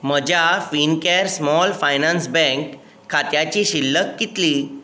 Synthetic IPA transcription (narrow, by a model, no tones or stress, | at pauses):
məd͡ʑʱjafinkeɾsmɔlfajnãnsbɛ̃ŋkʰː | at̪jat͡ɕiɕilːəkːit̪liː